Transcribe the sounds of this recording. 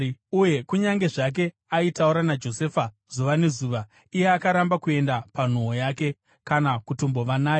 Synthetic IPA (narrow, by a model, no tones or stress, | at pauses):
uje̞kuɲaŋɡe̞ʐak̬e̞ | aitauɾanad͡ʒo̞seːfa | z̥uʋane̞zuʋa | ije̞akaɾambakue̞ndapan̤oojake̞ | kanakutombo̞ʋanaːjo